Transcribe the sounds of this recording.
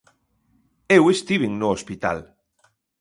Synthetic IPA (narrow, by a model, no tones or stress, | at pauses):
ewest̪iβ̞iŋnoospit̪a̰l